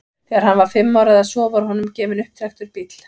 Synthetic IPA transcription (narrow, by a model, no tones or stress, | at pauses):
θɛaɾ̥hanvaɾ̥fɪmːawɾaðasɔːvaɾhɔnːʏmcɛːvɪnʏhpt̪ʰɛxt̪ʏɾpit̪l̥